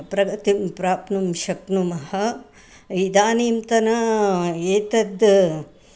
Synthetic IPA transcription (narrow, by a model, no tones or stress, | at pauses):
pɾɐɡɐt̪impɾaːpnumʃɐknumɐhɐ̆ | id̪aːniːmt̪ɐnɐeːt̪ɐd̪